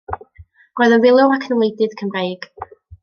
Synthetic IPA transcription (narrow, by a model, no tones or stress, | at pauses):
rɔjðənvɪlˠʊwakʰənlˠejdɪðkʰəmrejɡ̥